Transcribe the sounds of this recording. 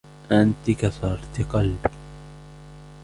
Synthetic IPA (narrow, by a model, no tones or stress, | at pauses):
ʔant̪ɪkasɑɾˤt̪ɪqɑlbɪ